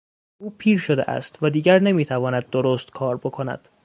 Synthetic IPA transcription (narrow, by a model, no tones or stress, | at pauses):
uːpʰiːɾʃod̪ḛʔæ̰st̪væd̪iːɟæɾne̞miːt̪ʰævɒːnæd̪̚ːoɾoːst̪kʰɒːɾbo̞kʰo̞næ̰d̪̥